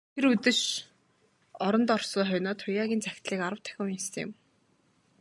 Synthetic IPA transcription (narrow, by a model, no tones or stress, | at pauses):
t̪ʰeɾut̪ɘ̆t͡ɕ | ɔɾɞ̆nt̪ɔrsɔːχœjnɔːt̪ʰʊjaːɣʲiːnt͡sæxʲt̪ɮiːkaɾə̆wt̪ʰæ̥xʲɪ̆wjest̪ʰḛm